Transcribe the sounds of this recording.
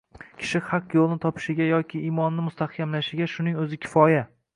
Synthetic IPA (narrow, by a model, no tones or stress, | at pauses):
kʲʰɪ̥ʃɪχɑqjolˠɪnɪt̪ʰɒpʰɪ̥ʃɪɡʲajɒkʲʰɪːmɒnːɪmʊst̪ʰahkʲʰamlaʃɪɡʲaʃʊnɪŋɵzɪkʲʰɪ̥fɒja